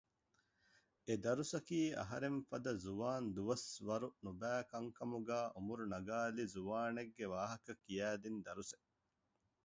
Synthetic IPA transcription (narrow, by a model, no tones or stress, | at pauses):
ed̪ɐɾusɐkiːɐ̰ɦɐɾeɱfɐd̪ɐzuʋaːnd̪uʋɐsʋɐɾunubæːkɐŋkɐmuɡæːʔumuɾunɐɡaːlizuʋaːneɡːeʋaːɦɐkɐkijæːd̪ind̪ɐɾuse